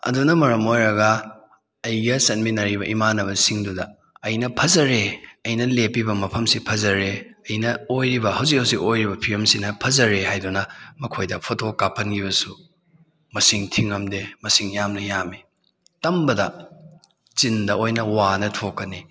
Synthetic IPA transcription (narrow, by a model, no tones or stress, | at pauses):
ɐ̰dunɐmɐɾɐmojɾɐɡɐ | ɐjɡɐsɐnbinɐɾiβɐʔimanɐbɐsiŋdudɐ | ɐjnɐpʰɐzɐɾeɐjnɐlepibɐmɐpʰɐmsipʰɐzɐɾeɐjnɐojɾibɐhɐwzik̚hɐwzikojɾibɐpʰiɐmsinɐpʰɐzɐɾehajdunɐmɐkʰojdɐpʰotokapʰɐnɡiβɐsu | mɐsiŋtʰiŋɐmdemɐsiŋjamnɐjami | tɐmbɐdɐ | t͡ʃindɐojnɐwanɐtʰokːɐni